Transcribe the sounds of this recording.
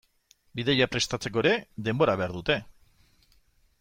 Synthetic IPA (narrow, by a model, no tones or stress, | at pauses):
biðeʎapɾe̞st̪at͡se̞k̬o̞eɾe̞d̪e̞mbo̞ɾaβe̞aɾðut̪e̞